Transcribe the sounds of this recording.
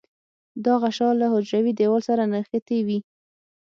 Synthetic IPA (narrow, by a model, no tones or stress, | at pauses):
d̪aɣaʃɑlahʊd͡ʒɾawid̪ewɑlsaɾanaxət̪ewi